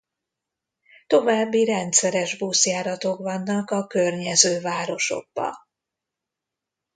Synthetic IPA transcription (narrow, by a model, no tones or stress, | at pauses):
t̪o̞vaːbːiɾɛnt̪sɛɾɛʒbusjaːɾɒt̪o̞kʋɒnːɒkɒkørɲɛzøːvaːɾo̞ʃo̞̰ɡ̚bɒ̰